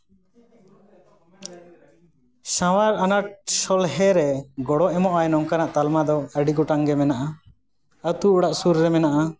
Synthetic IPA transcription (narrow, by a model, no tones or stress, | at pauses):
sãwaɾanaʈ̚sɔlɦɛɾɛɡɔɽɔʔɛmɔʔajnɔŋkanaʔt̪almad̪ɔəɖiɡɔʈaŋɡɛmɛnaʔa | at̪uːɽaʔsuɾːɛmɛnaʔa